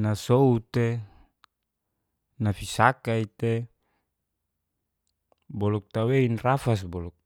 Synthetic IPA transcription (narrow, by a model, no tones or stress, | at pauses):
nasout̪e | nafisakait̪e | bɔlɔk̚t̪aweinrafas̬bɔlɔk̚